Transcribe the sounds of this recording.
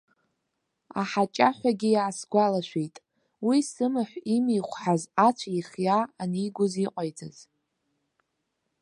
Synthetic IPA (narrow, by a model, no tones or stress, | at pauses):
a̰ħat͡ʃʼaħᶣʷaɡʲijaːsɡʷalaʃʷᶣejtʼ | wisɨmɨħʷimijχʷħazat͡ɕʷʰaiχjaːniiɡʷʊziqʼajd͡zʰʼaz̥